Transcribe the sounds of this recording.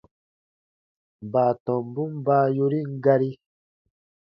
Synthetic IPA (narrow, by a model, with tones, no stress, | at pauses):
m˨baː˨tɔ˨mbu˦mba˦ju˦ɾi˦ŋ˦ɡa˦ɾi˦